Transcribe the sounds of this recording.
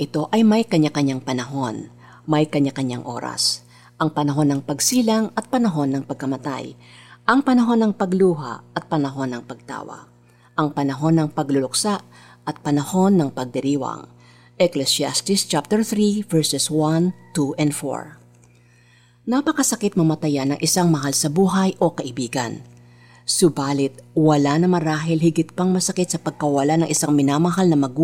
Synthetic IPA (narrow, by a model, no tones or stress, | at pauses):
ʔɪt̪o̞ʔɐjmɐjkɐɲakɐɲaŋpɐnɐɦo̞n | mɐjkɐɲakɐɲaŋʔo̞̰ːɾɐ̰s | ʔɐŋpɐnɐɦo̞nːɐŋpɐɡsiːlɐŋɐt̪̚pɐnɐɦo̞nːɐŋpɐɡ̚kɐmɐt̪a̰j | ʔɐŋpɐnɐɦo̞nːɐŋpɐɡluːɦa̰ʔɐt̪̚pɐnɐɦo̞nːɐŋpɐɡ̚t̪a̰ːwɐ̰ | ʔɐŋpɐnɐɦo̞nːɐŋpɐɡlʊlʊk̚saʔ | ʔɐt̪̚pɐnɐho̞nːɐŋpɐɡ̚d̪ɛɾiːwɐ̰ŋ | ʔɛklɛsja̰st̪ɪst͡ʃap̚t̪ɛɹθɾivɛɹsɛswant̪uʔɛnd̪fo̰ɹ | napɐkɐsɐkɪt̪̚mɐmɐt̪ɐjanːɐŋʔɪsaŋmɐɦalsɐbuːɦɐjʔo̞kɐʔɪbiːɡɐ̰n | sʊbaːlɪt̪̚wɐlanɐmɐɾaːɦɪlhɪɡɪt̪̚pɐŋmɐsɐkɪt̪sɐpɐɡ̚kɐwɐlanɐŋʔɪsaŋmɪnamɐɦalnɐmɐɡu